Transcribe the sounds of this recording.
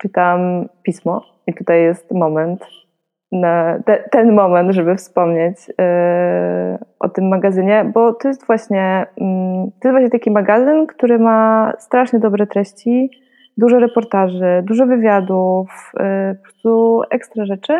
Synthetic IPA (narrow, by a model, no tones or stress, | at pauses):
t͡ʂɘt̪ampʲismɔ | it̪ut̪ajːɛst̪mɔmɛnt̪ | nat̪ɛt̪ɛnmɔmɛnt̪ʐɛbɘfspɔmɲet͡ɕ | ʔɔ̰t̪ɘmːaɡazɘɲɛbɔt̪ɔjɛst̪vwaɕɲɛ | t̪ɔjɛst̪vwaɕɲɛt̪akʲimaɡazɘnkt̪uɾɘmast̪ɾaʂɲɛd̪ɔbɾɛt̪ɾɛɕt͡ɕi | d̪uʐɛɾɛpɔɾt̪aʐɛd̪uʐɔvɘvʲjad̪ufpɔpɾɔst̪uʔɛkst̪ɾaʐɛt͡ʂɘ